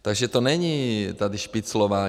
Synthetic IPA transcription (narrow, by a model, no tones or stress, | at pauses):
t̪aɡʒɛt̪ɔnɛɲiːt̪ad̪iʃpit͡slɔʋaː